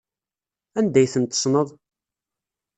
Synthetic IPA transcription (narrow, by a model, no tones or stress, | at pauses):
ænd̪æjθənt̪ːə̥snəðˤ